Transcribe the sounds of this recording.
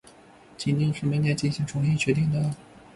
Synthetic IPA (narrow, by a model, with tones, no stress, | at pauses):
t͡ɕʰi˨˩nt̪i˥˧ŋʂɻ̩˥˩me˧˥ɪnjɛ˥˧nt͡ɕi˥˩nɕi˧˥ŋʈ͡ʂʰʊ˧˥ŋi˥˩t͡ɕʰɥɛ˧˥t̪i˥˩ŋd̪ə˩